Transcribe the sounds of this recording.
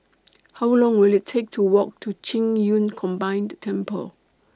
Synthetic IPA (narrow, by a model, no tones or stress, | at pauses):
hawlɔ̃ŋwɪlɪtʰek̚tʰuwɔk̚tʰut͡ʃʰĩŋjũnkʰɔ̃mbãɪ̃ndtʰɛ̃mpʰə̰l